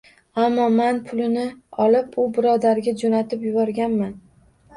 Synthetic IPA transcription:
amːɒmanpʰʊlɪnɪɒlɪpʊbɪɾɒd̪aɾɡʲad͡ʒonat̪ɪpjʊbɒɾɡʲanman

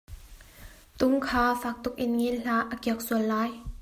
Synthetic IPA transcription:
t̪ʊŋkʰaːfaːk̚t̪ʊk̚ʔɪnŋiːnɬaːʔʔəkiək̚suəlːaːj

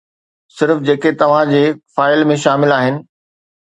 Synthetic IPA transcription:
sɪɾfd͡ʑeːket̪ɐʋ̤ãd͡ʑeːfaːɪlmẽʃaːmɪlaːɦɪnɪ̆

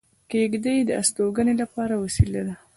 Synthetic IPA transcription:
keɡd̪əjd̪əa̰st̪oɡənelapɑɾawasilad̪a

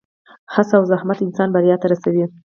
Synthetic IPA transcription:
hasawzahmat̪ɪnsɑnbaɾjɑt̪aɾasawi

